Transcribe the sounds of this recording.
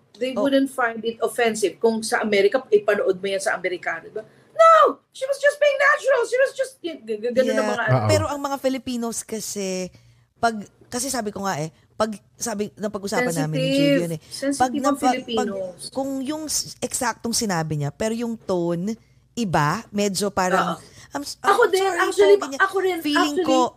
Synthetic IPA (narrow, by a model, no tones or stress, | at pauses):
ðejwʊd̪ɛnt̪̚fãjnd̪ɪt̪ofɛnsɪvkʊŋsɐʔɐmɛɾɪkɐʔɪpɐnoʔod̪̚mʊjɐnsɐʔɐmɛɾɪkaːnod̪ɪbɐ | now | ʃiːwɐsd͡ʒɐst̪̚biɪ̃ŋnat͡ʃʊɾɐlʃiwɐsd͡ʒɐst̪̚ɡɡɐnõnːɐmɐŋaʔɐnpɛːɾo̞ʔɐŋmɐŋafɪlɪpiːno̞skɐsɛ | pɐɡ̚ | kɐsɛsaːbɪkoŋaʔɛ | pɐɡ | saːbɪnɐpɐɡʔʊsaːpɐnaːmɪnijonɛɛnpɐɡ̚nɐlɪipɐkʊŋjʊŋʔɛksak̚t̪oŋsɪnaːbɪɲapɛːɾojʊŋt̪on | ʔɪbamɛːd͡ʒo̞paːɾɐŋʔɐmsʔɐɐkod̪ɛnait̪ɪɲaɐkoɾɛnfiːlɪŋko